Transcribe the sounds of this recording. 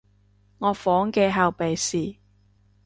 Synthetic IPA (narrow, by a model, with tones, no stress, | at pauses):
ŋɔː˨˧fɔː˨˥ŋkɛː˧ɦɐ˨wpe˨jsiː˨˩